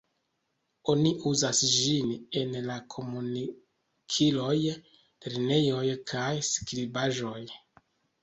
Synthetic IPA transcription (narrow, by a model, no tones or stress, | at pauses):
o̞niʔuzasd͡ʒine̞nlakʰo̞muni | kʰilo̞j | teɾne̞jo̞jkʰajskɾibaʒo̞j